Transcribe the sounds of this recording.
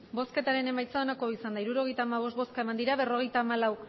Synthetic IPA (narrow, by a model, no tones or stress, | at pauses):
bo̞ske̞t̪aɾe̞ne̞majt͡saonako̞isand̪aiɾuɾo̞ɣe̞jt̪aːmaβ̞o̞st̪bo̞skae̞mand̪iɾaβe̞ro̞ɣ̞e̞jt̪aːmalaw